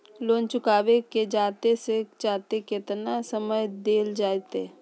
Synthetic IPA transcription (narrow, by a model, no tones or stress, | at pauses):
loːnt͡ʃʊkaːweked͡ʒaːt̪eset͡ʃaːt̪ekɪt̪nasəməjd̪eːld͡ʒaːet̪eː